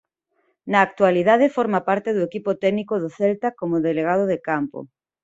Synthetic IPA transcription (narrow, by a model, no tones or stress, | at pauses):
nɐːk̚t̪waliðaðefɔɾmapaɾt̪ɪðʊekipʊt̪ɛɡnikʊðʊθɛlt̪akomʊðeleɣ̞að̞ʊðekampo̰